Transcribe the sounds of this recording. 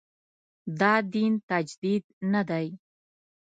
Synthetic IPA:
d̪ɑd̪int̪ad͡ʒd̪id̪nad̪aj

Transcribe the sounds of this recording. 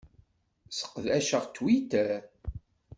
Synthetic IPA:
sə̥qːðæʃəʁt̪ːwit̪æ

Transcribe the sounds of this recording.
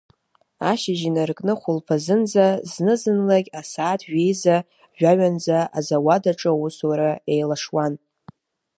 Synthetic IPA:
aʃɪʒinarkʼnɨχʷʊlpʰazɨnd͡zaznɨzɨnlaɡʲasaːtʰɥʷᶣejza | ʒᶣaɥand͡zaazawadaʈ͡ʂʼɨuswaɾae̞jlaʂwan

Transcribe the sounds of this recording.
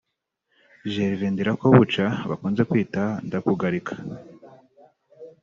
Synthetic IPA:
ʒeɾiviːndiɾakoβut͡ʃaβakuːnze̞kwiːtandakuɡaɾikʰḁ

